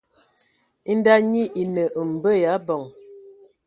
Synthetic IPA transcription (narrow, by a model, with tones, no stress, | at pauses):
i˦n˦da˦ɲi˦ʔi˨nə˨ʔə˨m̩˨bə˦ja˨˦bɔ˨ŋ